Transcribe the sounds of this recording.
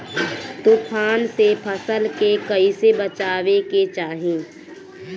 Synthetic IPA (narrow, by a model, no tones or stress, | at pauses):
t̪upʰaːnsepʰəsəlkekəisebət͡ʃaːʋeket͡ʃaːɦẽː